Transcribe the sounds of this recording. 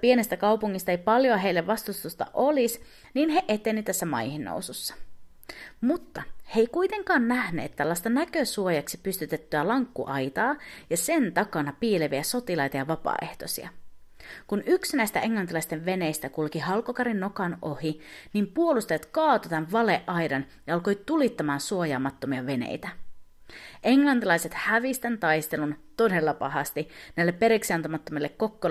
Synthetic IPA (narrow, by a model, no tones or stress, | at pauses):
pie̞nest̪ækɑwpuŋːist̪ɑejpɑljoɑɦe̞ilːeʋʋɑst̪ust̪ust̪ɑ̰ʔo̞lis | niːnɦe̞ʔet̪ːeniyt̪æsːæmɑ̰jhinːo̰wsusːɑ̥ | mut̪ːɑhe̞jkujt̪e̞ŋkɑːnːæhne̞̰ːt̪ːælːɑst̪ɑnækøsuojɑksipyst̪yt̪e̞t̪ːyælɑŋkːuʔɑjt̪ɑːjɑse̞nt̪ɑkɑnɑpiːleʋiæso̞t̪ilɑjt̪ɑjɑʋɑpɑ̰ːe̞̰ht̪o̞sḭɑ̰ | kunʔyksinæjst̪æʔe̞ŋlɑnt̪ilɑist̪e̞ʋʋe̞ne̞jst̪ækulkihɑlkokɑɾinːo̞kɑno̞hinimpuolust̪ɑjɑt̪kɑːt̪ot̪ænʋɑleʔʔɑjdɑnjɑɑlko̞jt̪ulit̪ːɑmɑːnsuo̞jɑːmɑt̪ːo̞miɑʋe̞nḛjt̪æ | ʔe̞ŋlɑnt̪ilɑjse̞t̪hæʋist̪ænt̪ɑjst̪e̞lunt̪o̞de̞lːɑpɑ̰ɦɑst̪inæilːepːe̞ɾeksiɑnt̪omɑt̪ːomilːe̞kːo̞kːo